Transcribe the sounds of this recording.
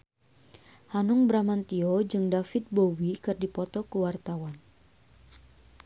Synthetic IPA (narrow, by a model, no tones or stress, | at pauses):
hanʊŋbɾamant̪iod͡ʒɨŋdafɪt̪̚bowikɨrdipɔt̪ɔkəwart̪awan